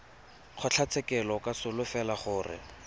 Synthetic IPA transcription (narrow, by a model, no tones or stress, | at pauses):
q͡χʰɔt͡ɬʰat͡sʰɛkɛlɔkasʊlʊfɛlaχʊːrɪ̰